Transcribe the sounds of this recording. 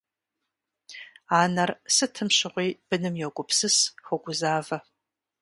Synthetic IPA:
aːnɐrsɨtʰɨmʃɨʁʷiːb̥ɨnɨmjoɡʷʊpʰsɨsxʷoɡʷʊzaːvɐ

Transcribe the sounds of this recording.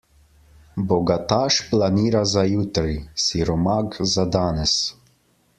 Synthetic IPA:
bɔɡat̪aːʃplaniːɾazajut̪ɾisiɾɔmaɡzad̪aːnɛs

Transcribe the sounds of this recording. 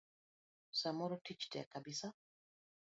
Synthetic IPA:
samɔɾɔtit͡ʃtɛ̰a̰kabisa

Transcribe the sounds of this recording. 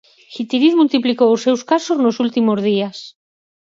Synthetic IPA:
xit̪iɾiðmult̪iplikowosːewskasoznosult̪imozð̞ias

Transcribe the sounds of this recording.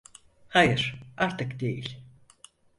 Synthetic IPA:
hajɯɾ̥aɾt̪ʰɯkd̪ejilʲ

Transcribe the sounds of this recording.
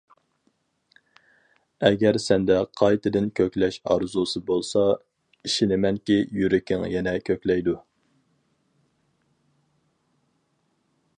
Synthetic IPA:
ɛɡʲɛɾsɛnd̪ɛqʰɑjt̪ɨd̪ɪnkʲʰøkʲlɛʃɑ̰ɾzusɨbolˠsɑ | iʃinɪmɛŋkʲijyɾɪkʲɪŋjɛnɛkʲʰøkʲlɛjd̪u

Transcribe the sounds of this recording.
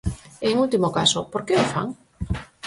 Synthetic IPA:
eŋult̪imokasopoɾkeofa̰ŋ

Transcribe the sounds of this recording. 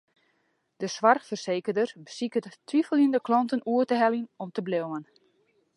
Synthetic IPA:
d̥əsʋarxfərseːkərdərbəsikəttːʋifəlˠindəklɔntənuətəɦɛlinɔmtəblɪwən

